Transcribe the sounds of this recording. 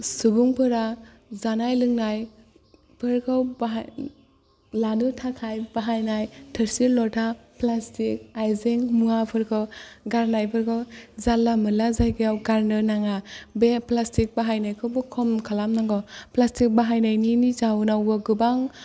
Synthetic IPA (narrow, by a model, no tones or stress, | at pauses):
subuŋpʰɯɾa | zanajlɯŋnaj | pʰɯɾkʰɯwbaɦ | lanɯtʰakʰajbaɦajnajtʰəɾsilɔtʰaplastik̚ajzeŋmuapʰɯɾkʰɯwɡaɾnajpʰɯɾkʰɯwzalːamɯlazajɡijawɡaɾnɯnaŋabeplastik̚baɦajnajkʰɯwbɯkʰɔmkʰalamnaŋɡɔplastik̚baɦajnajninizawnawbɯɡɯbaŋ